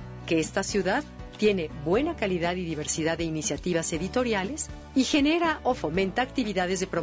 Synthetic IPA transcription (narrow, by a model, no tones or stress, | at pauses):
ke̞est̪asjuðaðt̪je̞ne̞bwe̞nakaliðaðiðiβe̞ɾsiðaðːeinisjat̪iβase̞ðit̪o̞ɾjale̞s | ixe̞ne̞ɾaʔo̞fo̞mẽ̞nt̪aːk̚t̪iβiðað̞e̞zðepɾo